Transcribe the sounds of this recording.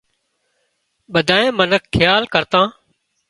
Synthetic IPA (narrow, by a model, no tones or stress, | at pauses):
ɓəd̪ʱaːẽːmənəkʰːɪjaːlkəɾt̪ãː